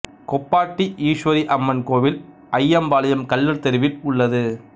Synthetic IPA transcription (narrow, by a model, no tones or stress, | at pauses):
kɔpːaːʈːiʔiːʂʋɐɾiʔɐmːɐnkoːʋɪl | ɐjɐmbaːlɐjɐmkɐlːɐɾt̪ɛɾɯʋɪlʊɭːɐðɯ